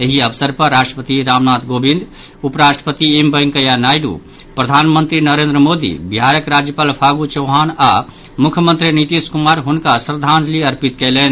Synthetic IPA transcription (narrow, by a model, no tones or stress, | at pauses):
eɦiəʋsəɾpəɾːasʈɾəpət̪iɾamnat̪ʰɡobĩnd̪ʱ | upɾasʈəpət̪iimbəjŋkəjanajɖṵ | pɾəd̪ʱanmənt̪ɾinəɾend̪ɾəmod̪ḭbiɦaɾjəkɾad͡ʒjəpaːlpʰaɡut͡ʃəɦana | mukʰjəmənt̪ɾinit̪iskumaɾɦunkasɾəd̪ʱand͡ʒliəɾpit̪kɛlɛn